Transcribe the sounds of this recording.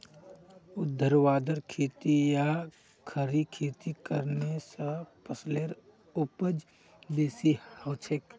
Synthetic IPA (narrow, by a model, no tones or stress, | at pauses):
ʊd̪ʱːəɾʋaːd̪əɾkʰeːt̪ija | kʰəɾikʰeːt̪ikəɾnesapəsleɾ | ʊpəd͡ʒ | b̪eːsihəwt͡ʃʰek